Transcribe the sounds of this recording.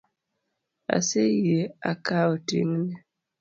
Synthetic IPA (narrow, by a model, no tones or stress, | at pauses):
a̰sejeakaotḭŋne